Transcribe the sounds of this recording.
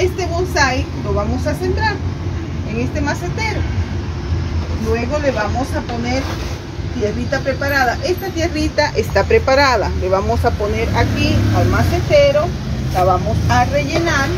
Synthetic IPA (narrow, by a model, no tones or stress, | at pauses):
est̪e̞βonsajlo̞βamo̞sase̞nt̪ɾaɾ | eŋe̞st̪e̞maset̪e̞ɾo | lwe̞ɣo̞le̞βamo̞saponeɾ | t̪je̞rit̪apɾepaɾaðaʔe̞st̪at̪jerit̪aʔest̪apɾe̞paɾaðale̞βamosaponeɾakialmaset̪eɾo̞ | laβamosare̞ʝenaɾ